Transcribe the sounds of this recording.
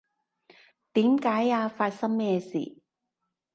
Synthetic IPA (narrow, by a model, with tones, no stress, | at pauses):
t̪iː˨˥mkaː˨˥jaː˧faː˧t̚sɐ˥mmɛː˥sḭː˨˩